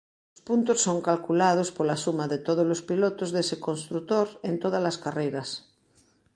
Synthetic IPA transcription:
ospunt̪osːoŋkalkulað̞ospolasumaðet̪oð̞ozlospilot̪ozðesekonst̪ɾut̪oɾent̪oðalaskarejɾas

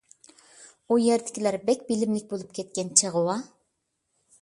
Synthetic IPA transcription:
ujɛɾd̪ɪ̥kʲʰilæɾbɛkʲbɪlɪmlɪk̚ʲbolˠup̚kʲʰɛt̪̚kʲɛnt͡ʃʰəʁəwɑ

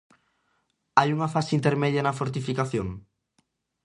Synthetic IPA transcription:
ajuŋɐfaseint̪eɾmɛðjɐnɐfoɾt̪ifikaθjoŋ

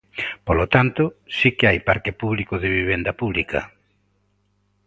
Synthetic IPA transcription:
polot̪ant̪ʊsikɪajpaɾkɪpuβlikʊðɪβiβ̞end̪ɐpuβlikɐ̰

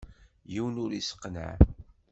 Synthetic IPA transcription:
jiwnʊɾisə̥qːnə̰ʕ

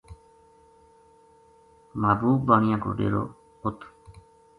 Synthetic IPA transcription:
maːbuːk̚baːɳ̃ijãːɡo̰ɖḛːɾo̰ː | ot̪

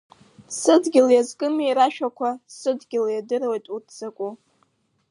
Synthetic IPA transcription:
sɨdɡʲɪljazkʼɨmiɾaʃᶣakʷʰasɨdɡʲɪljadɨrwejtʼutʰz̥akʷʼu

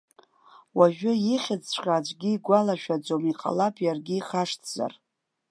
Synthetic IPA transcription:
waʒᶣʏjɪχʲɪd͡zt͡ɕʷqʲʼaːd͡ʒʷʼɡʲiːɡʷalaʃᶣad͡zomiqʼa̰lapʰjarɡʲɪːχaʂtʰza̰r

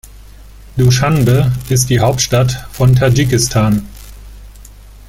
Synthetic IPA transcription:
d̥uʃanbəɪst̚d̥iːɦaʊp̚tʃtatfɔntʰad͡ʒikɪstʰaːn

